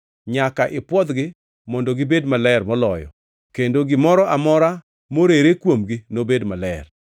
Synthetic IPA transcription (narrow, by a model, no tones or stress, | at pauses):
ɲakaʔɪpwɔd̪ɡɪ | mɔndɔɡɪbedmalɛrmɔlɔjɔ̰ | kendoɡɪmɔɾɔʔamɔɾa | moɾeɾekwomɡɪnobedmalɛ̰r